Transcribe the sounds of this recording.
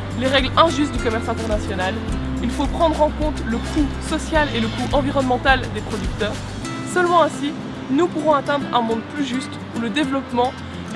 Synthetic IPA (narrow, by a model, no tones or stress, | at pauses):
leʁɛɡlɛ̃ʒyst̪̚d̪ykɔmɛʁsɛ̃t̪ɛʁnasjɔnal | ilfopχɑ̃d̪ʁɑ̃kɔ̃t̪ləkusɔsjaleləkuʔɑ̃viʁɔnmɑ̃t̪ald̪epχɔd̪yk̚t̪œːʁ | sœlmɑ̃ɛ̃si | nupuʁɔ̃at̪ɛ̃d̪ʁɛ̃mɔ̃d̪plyʒyst̪ | uləd̪evlɔpmɑ̃